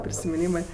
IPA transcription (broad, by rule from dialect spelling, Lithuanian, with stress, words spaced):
pʲrʲɪsʲɪmʲɪˈnʲiːmɜ